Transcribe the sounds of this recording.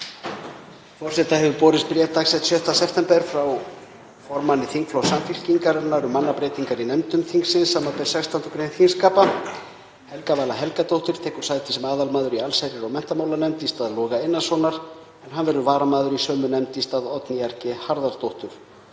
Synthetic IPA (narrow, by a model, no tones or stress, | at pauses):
fɔr̥sɛt̪ahɛvʏpɔːɾɪspɾjɛt̪aksɛt̪sjœht̪asɛpʰt̪ɛmpɛɾ̥fɾaw | fɔɾmanːɪθiŋkflawsamfil̥ciŋkaɾɛnaɾʏmːanːapɾeːjt̪iŋkaɾinɛmt̪ʏmθiŋksɪnsaːmːapɛɾ̥sɛkst̪ant̪ʏkɾejnhʰinskaːpa | hɛlkavaːlaɦɛlkat̪owht̪ʏɾ̥t̪ʰɛːhkʏɾ̥saːjt̪ɪ̥sɛmaːðalmaːðʏɾialsajɾɪɾɔɣmɛn̥t̪amaːwlanɛmt̪ist̪aːðlɔːɣaejnːasvɔnaɾ̥ | ɛnɦanvɛɾðʏvaːɾamaːðʏɾisœːmʏnɛmt̪ist̪aːðɔt̪nɪjaɾ̥cɪhaɾðaɾt̪owht̪ʏɾ̥